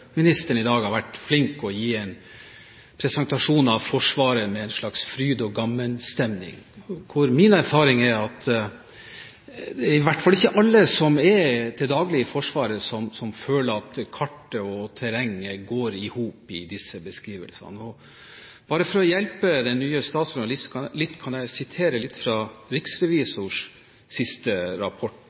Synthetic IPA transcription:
mɪnɪst̪əɳɪd̪ɑːɡhɑɾʋæʈːflɪŋkɔjiːɛɪn | pʰɾɛsɛnt̪ɑʂuːnɑʋfɔʂʋɑːɾəmɛɛɪnʂlɭɑksfɾyːd̪ɔɡɑmːənst̪ɛmnɪ̰ŋkʰʊɾmɪnæɾfɑːɾɪŋæɾɑt̪ | d̪ɛɪʋæʈːfɑlːɪçːəʔɑlːəsɔmɛt̪ʰɪld̪ɑːɡlɪəfɔʂʋɑːɾəsɔmsɔmføːləɾɑt̪kʰɑʈːəɔt̪ʰæɾɛŋːəɡoːɾɪhuːpɪd̪ɪsːəbəskɾiːʋə̰lsɑ̰nəɔ | b̥ɑːɾəfɔɾɔjɛlpəd̪ɛnnːyːəst̪ɑːt̪sʊnɑlɪskʰɑlɪt̪ːkʰɑnjæɪsɪt̪ʰeːɾəlɪt̪ːfɾɑɾɪksɾɛʋiːsʊʂ | sɪst̪əɾɑpʰɔʈ

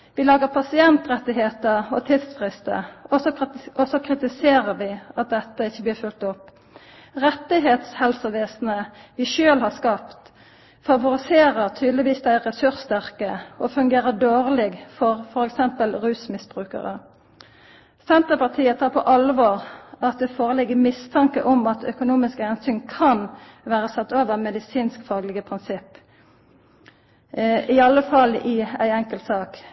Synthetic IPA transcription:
ʋɪlɑːɡəʁpʰɑsɪɛnt̪ʁɛt̪ːɪheːt̪əɔt̪ʰɪd̪sfʁɪst̪ə̰ɔɔsɔkʰʁɪt̪ɪseːʁəɾʋɪɑt̪̚d̪ɛt̪ːəɪçːəbliːʁfʉlt̪ɔpː | ʁɛt̪ːɪɦeːt̪shɛlsəʋeːsnəʋɪʃøːlhɑskɑpt̪ | fɑʋʊɾɪseːʁəʁt̪ʰyːd̪lɪʋiːsd̪æɪʁɛsʉʁst̪æʁkəɔfʉŋɡeːʁəd̪oːʁlɪɡfɔʁfɔɾɛksɛmpəlʁʉːsmɪsb̥ʁʉːkə̰ʁə̰ | sɛnt̪əʁpɑʁt̪ʰiːət̪ʰɑːʁpʰɔ̰ʔɑlʋoːʁɑt̪̚d̪ɛfoːʁəlɪɡəmɪst̪ʰɑŋkəʔɔmɑt̪œkʊnuːmɪskəhɛnsyːŋkʰɑn | ʋæːʁəsɑt̪ːoːʋəʁmɛd̪ɪsiːnskfɑːɡləɡəpʰʁɪnsɪpː | ɪɑlːəfɑlɪæɪɛŋkəlt̪sɑːk

